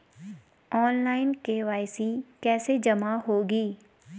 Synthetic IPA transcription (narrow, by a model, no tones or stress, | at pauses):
ɔːnlaːɪnkeʋaːɪsikɛːsed͡ʒɐmaɦoːɡiː